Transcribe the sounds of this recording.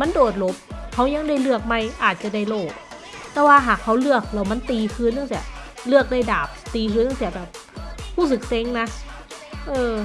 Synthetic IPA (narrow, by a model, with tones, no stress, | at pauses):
ma˧˥ndoː˨˩t̪̚lo˧˦˥p̚hʰa˧˦˥wɲa˧˥˨ŋda˧˥˩jlɯ˧˩ək̚ma˧˥˩jʔaː˨˩t̪̚t͡ɕa˨˩da˧˥˩jloː˧˩t̚ | t̪ɛː˧˩waː˧ɦaː˨˩k̚ha˧˥wlɯ˧˩ək̚lɛ˧˩wma˧˥˨nt̪iː˨˩kʰɯː˧˥˨nːa˧˥˨ŋsi˧˩lɯ˧˥˩ək̚da˧˩jdaː˨˩p̚t̪iː˨˩kʰɯː˧˥nːa˧ŋsi˧˩bɛː˨˩p̚huː˧˥˩s̬ɯ˨˩k̚se˧˥ŋna˧˥ | ʔɤː˧